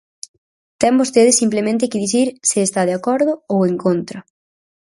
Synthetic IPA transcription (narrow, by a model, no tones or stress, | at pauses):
t̪ɛmbost̪eð̞ɪsimplemẽnt̪̬ɪkɪðiθiɾsɪest̪aðeakɔɾðʊoweŋkont̪ɾɐ